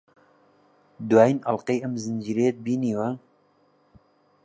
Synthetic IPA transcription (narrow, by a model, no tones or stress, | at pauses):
d̪waːjinʔɑlqejʔɐmzɨnd͡ʒiːɾejed̪̚biːniːwa